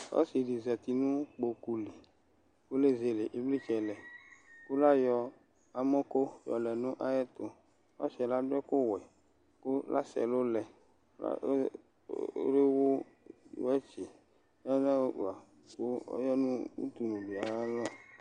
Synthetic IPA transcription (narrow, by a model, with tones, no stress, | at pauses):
ɔ̰˦si˨ɖi˨zɛ˨t̪i˨nũ˦k͡po˨ku˨li˨ | wo˦le˦ze˨le˨ʔe˨bli˦t͡ʃɛ˨lɛ˨ko˦la˦jɔ˨ | a˨mɔ̃˦ko˦jɔ̰˨lɛ˨nũ˦ʔa˦jɛ˦t̪o˨ | ɔ̰˦ʃɛ˨la˦ɖɛ˦ko˦wɛ˨ | ko˦la̰˦sɛ̰˨lo˦lɛ˨˦ | a̰˦ | o̰˦ɾe˦wo˦ | ɛ˦t͡ʃe˨˦ | ɔ˦na˦˨a˨ | ko˦ɔ̰˦jɔ˦nũ˦ṵ˦t̪u˨nũ˨bi˨a˨a˦lɔ̃˦